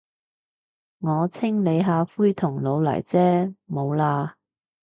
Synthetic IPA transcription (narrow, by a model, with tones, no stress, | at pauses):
ŋɔː˨˧t͡sʰɪ˥ŋle˨˧jɦaː˨˧fuː˥jt̪ʰʊ˨˩ŋlo˨˧wlɐ̰˨˩jt͡sɛː˥mo˨˧wlaː˧